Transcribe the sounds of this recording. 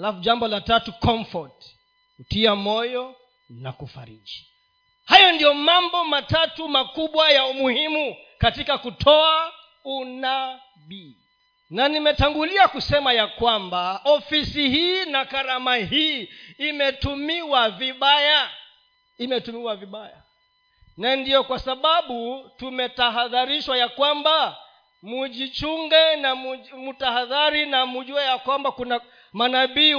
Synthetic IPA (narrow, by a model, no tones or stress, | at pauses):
alafuʄambɔlatatukɔmfɔt | kutiamɔjɔ | nakufa̰ɾiki̥ | hajɔndijɔmambɔmatatumakuɓwajaumuhimu | katikakutʰɔa | una | ɓi | nanimɛtaŋɡuliakusɛmajakwambaɔfisihiːnakaɾamaɦiːmɛtumiwaviɓaja | imɛtumiwaviɓaja̰ | nandijɔkwasaɓaɓutumɛtaɦaðaɾiʃwajakwamba | muʄit͡ʃuŋɡɛnamutahaðaɾinamuʄuajakwambakuna | manaɓiː